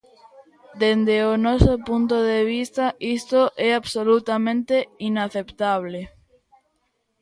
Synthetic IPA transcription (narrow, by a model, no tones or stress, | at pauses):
d̪end̪eonɔsopunt̪̬oðeβ̞ist̪aist̪oʔɛaβsolut̪amẽnt̪einaθept̪aβ̞le